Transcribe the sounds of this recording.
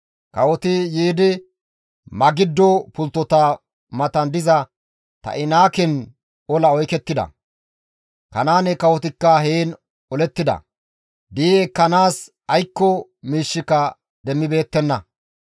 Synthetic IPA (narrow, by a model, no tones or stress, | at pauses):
kɐwɔt̪ɪjiːd̪ɪ | mɐɡɪd̪ːɔpʊlt̪ːɔt̪a | mɐt̪ɐnd̪ɪzɐ | t̪ɐ̰ʔɪnaːkɪn | ɔlɐɔjkɛt̪ːɪd̪ɐ̰ | kɐnaːnɛkɐwɔt̪ɪkːɐɦeːn | ɔlɛt̪ːɪd̪ɐ̰ | d̪iːekːɐnaːs | ɐjkːɔ | miːʃːɪkɐ | d̪ɛmːɪbe̞ːt̪ːɛnːɐ